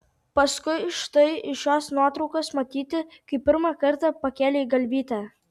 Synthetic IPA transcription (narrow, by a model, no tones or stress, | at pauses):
pɐskʊɪʃt̪ɐɪɪʃoːsnuɔt̪ɾɒʊkoːsmɐt̪ʲiːt̪ʲɪkɐɪpʲɪɾmɑkɐɾt̪ɑpɐkʲæːlʲeɡɐlʲbʲiːt̪ʲæ